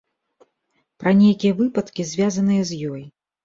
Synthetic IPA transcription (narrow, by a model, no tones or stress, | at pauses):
pɾɐnʲejkʲijɐvɨpɐt̪kʲizʲvʲazɐnɨjɐzʲjɔj